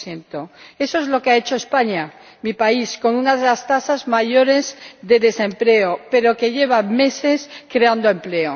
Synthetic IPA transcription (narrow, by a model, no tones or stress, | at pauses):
θje̞nt̪oe̞soezlo̞keae̞t͡ʃo̞espaɲa | mipaisko̞nunaðe̞last̪asazmaʝo̞ɾe̞zðe̞ðe̞sẽ̞mple̞ope̞ɾo̞ke̞ʝe̞β̞ame̞se̞skɾe̞and̪oe̞mple̞o